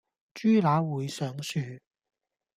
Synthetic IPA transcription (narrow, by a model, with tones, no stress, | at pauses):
t͡ʃyː˥laː˨˥wuː˨˧jsœː˨˥ŋsyː˨˧˩